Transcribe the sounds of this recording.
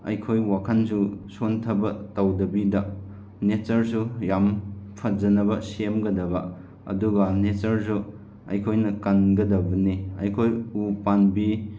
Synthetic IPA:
ɐjkʰojwakʰansusontʰɐbɐtɐwdɐbidɐ | net͡ʃɐɾsujampʰɐd͡ʒɐnɐbɐsemɡɐdɐbɐ | ɐ̰duɡɐnet͡ʃɐɾs̬u | ɐ̰jkʰojnɐkɐnɡɐdɐbɐneɐ̰jkʰojupanbi

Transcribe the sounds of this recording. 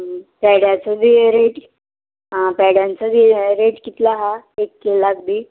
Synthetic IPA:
pɛɽjat͡səb̪ʱiːɾeʈ | ɦãpɛɽjant͡səd̪ʱiːɾeʈkit̪laɦaekːelaɡd̪i

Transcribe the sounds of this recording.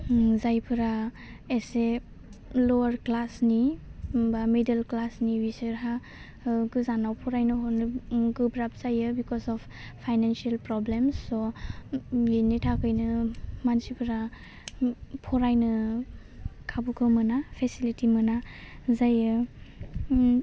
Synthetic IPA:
zajpʰɯɾa | ese | lɔwaɾklasnibamidelklasniwisɯɾɦa | ɡɯzanawpʰɔɾajnɯɦɔnɯɡɯbɾap̚zajɯbikɔsɔf | pʰajnansielpɾɔblemsːo | initʰakʰɯjnɯmansipʰɯɾa | pʰɔɾajnɯ | kʰabukʰɯmɯnapʰesilitimɯnazajɯ

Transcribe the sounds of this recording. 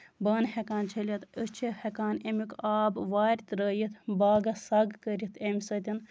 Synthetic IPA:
bɐːnhekaːnt͡ʃʰɐlʲit̪ət͡ʃʰihekaːnemikaːbʋaːɾʲt̪ɾəːjit̪ʰbaːɡɐsɐɡkəɾʲit̪ʰemʲsɐt̪ʲin

